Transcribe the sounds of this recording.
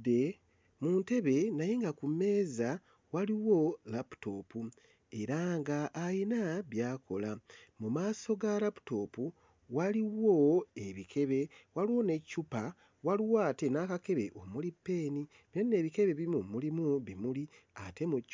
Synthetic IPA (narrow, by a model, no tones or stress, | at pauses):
e | muːnte̞βe̞naje̞ŋɡakume̞ːza | waliwo̞lapu̥to̞pu | e̞ɾaŋɡaʔːjinaβjaːkʰo̞lamumaːso̞ɡalapu̥to̞pu | waliwoe̞βikʰe̞βe̞waliwo̞ne̞cupa | waliwaːte̞nakake̞βe̞ʔo̞mulipːe̞ːni | βenːe̞ːβike̞βe̞βimumulimuβimuliate̞mu